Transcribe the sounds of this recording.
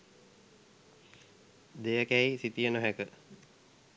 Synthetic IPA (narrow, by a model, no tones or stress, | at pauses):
d̪ejəkæisit̪ijənoɦækə